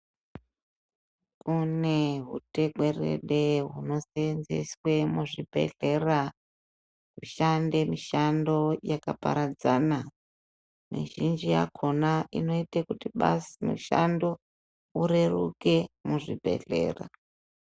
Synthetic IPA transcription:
kuneɦute̞ɡwe̞rḛɗeɦuno̞senzḛswe̞muʐibʱe̞̰ɮe̞ra | kuʃandemiʃando̞jakapa̰ɾad͡zana | mḭʒind͡ʒija̰kʰonaʔino̞itakutiɓasimṵʃa̰ndo̞ | uɾe̞rṵke̞muʐibʱe̞̰ɮe̞̰ːra̰

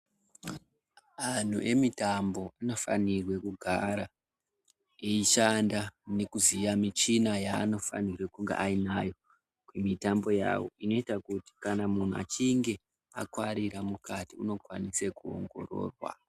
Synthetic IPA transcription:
an̤ṵʔe̞mitambo̞ano̞fa̰nirwe̞kuɡʱaɾa | eiʃandane̞kuzijamit͡ʃinajaːno̞fa̰nirwe̞kuŋɡeʔainajo̞ | kwemitambo̞ja̰wo̞̰ino̞itakuti̥kanamun̤ua̰t͡ʃiŋɡe̞ | akwaɾiɾamukatiuno̞kwanise̞kuo̰ŋɡo̞̰ro̞̰ːrwa̰

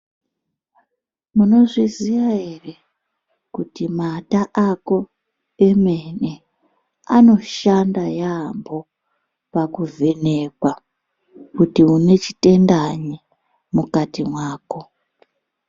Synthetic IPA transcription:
muno̞ʐiziʋaɦere̞ | kutimataʔako̞ | e̞mene̞ | ano̞ʃandajambo̞ | pakuvʱe̞ne̞kwa | kutiune̞t͡ʃi̥te̞ndaɲi | mukatimwaːko̞

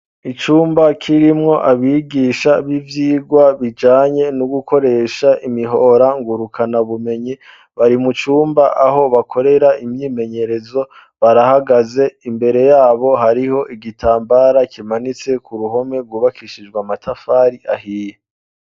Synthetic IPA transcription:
it͡ʃuːmbakʰiɾimŋo̞ʔaβiːɡiːʃaβivjiːɡwaβid͡ʒaːɲe̞nuɡukʰo̞ɾe̞ʃaʔimiɦo̞ɾaŋɡuɾukʰanaβume̞ɲi | βaɾimut͡ʃuːmbaʔaɦo̞βakʰo̞ɾe̞ɾaimɲiːme̞ɲe̞ɾe̞zo̞ | βaɾahaɡaze̞imbe̞ɾe̞jaːβo̞ɦaɾiho̞ʔiɡitʰaːmbaɾakʰimanit͡se̞kuɾuɦo̞me̞ɾɡwuːβakiʃid͡ʒɡwamatʰafaːɾiʔahiːje

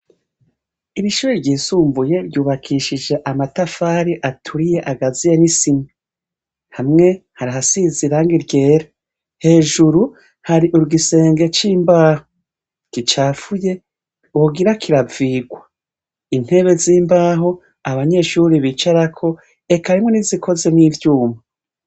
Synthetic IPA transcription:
iɾiʃuːɾiɾɟiːsuːmvuje̞ɾjuːβakʰiʃid͡ʒe̞ʔamatafaːɾiʔatʰuɾije̞ʔaɡazijenisina | hamŋe̞haɾahasiziɾaːŋɡiɾɟe̞ːɾa | he̞ːʒuɾu | haɾiʔuɾuɡise̞ːŋɡe̞t͡ʃiːmbaːho | kit͡ʃaːfuje̞ | uɡiɾakiɾaviːɡwa | in̥he̞βe̞ziːmbaːɦo̞ | aβaɲe̞ʃuɾiβit͡ʃaɾakʰo̞ | e̞kaɾimŋo̞nizikʰo̞ze̞niːvjuːma

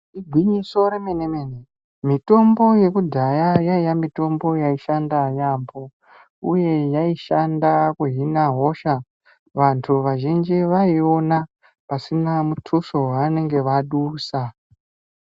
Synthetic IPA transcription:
iɡʱwiɲiso̞ɾemenemene | mito̞mbo̞je̞kudʱajajaijamito̞mbo̞jaiʃandajambo̞ | uje̞jaiʃandakuɦinaɦo̞ʃa | ʋantʰuʋaʒind͡ʒiʋaio̞na | pasinamutʰuʃo̞ɦaːne̞ŋɡe̞ʋaɗuːsa

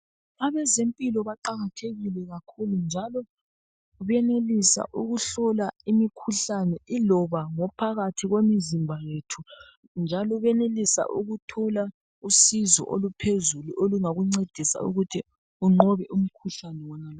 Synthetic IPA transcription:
aβɛzempʼilɔβaǃaɣatʰeɣilɛɣakʰulund͡ʒʱalɔ | uβɛnelisa̰ʔuɣuɬɔlaimikʰuɬanɛʔilɔβaŋɔpʰaɣatʰiɣwemizimbʱajetʰu | nd͡ʒʱalɔβɛnelisa̰ʔuɣutʰɔla | usizɔ̰ʔolupʰezuluʔoluŋaɣuŋ͡ǀed̥ʱisa̰ṵɣutʰi | uŋ͡ǃɔβɛʔum̩kʰuɬanɛwɔnala

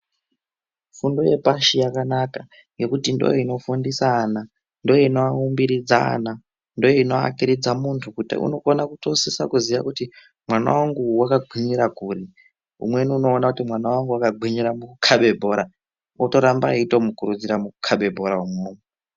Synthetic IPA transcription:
fundoje̞̰paʃijakanaka | je̞kutindo̰joino̞fundisana | ndojinoaumbiɾid͡za̰na | ndo̞joino̞a̰kiɾid͡zamuntʰukutṵno̞konakuto̞sisakuziʋa̰kuti | mwana̰waŋɡuwakaɡʱwiɲiɾakuɾi | ṵmweniuno̞ːnakutimwanawaŋɡuwakaɡʱiɲuɾamukukʰaɓe̞bʱo̞ɾa | oto̞ɾambaitomukuɾud͡ziɾamukukʰaɓe̞bʱo̞ɾaumumoːme

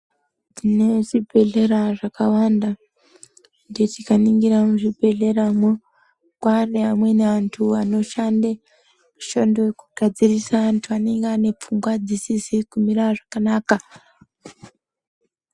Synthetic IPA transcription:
tineʐibʱe̞ɮe̞ɾaʐakawanda | ndetikaniŋɡiɾamuʐibʱe̞ɮe̞ɾamo | kwareamwe̞neʋantʰuano̞ʃande | muʃondojekuɡ̥ʱad͡zirisaantʰuane̞ŋɡeane̞p͡fumɡwad͡zisisikumiɾaʐakanaːka

